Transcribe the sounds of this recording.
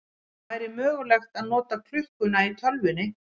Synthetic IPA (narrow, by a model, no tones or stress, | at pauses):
ajɾɪmœːɣʏlɛxt̪aðnɔːt̪akʰl̥ʏhkʏnait̪ʰœlvɪnːɪ